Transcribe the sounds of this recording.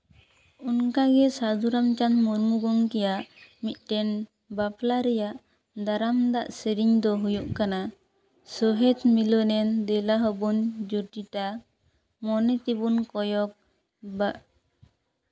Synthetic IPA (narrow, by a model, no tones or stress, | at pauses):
unkaɡɛsad͡ʒuɾamt͡ʃanmuɾmuɡɔŋkɛjaʔmit̪̚ʈɛn | baplaɾɛjaʔ | d̪aɾamd̪aʔseɾiɲd̪ɔɦujuʔkana | sɔɦɛd̪milɔnɛnd̪ɛlaɦɔbund͡ʒuʈiʈa | mɔnɛt̪ibunkɔjɔk̚ | ba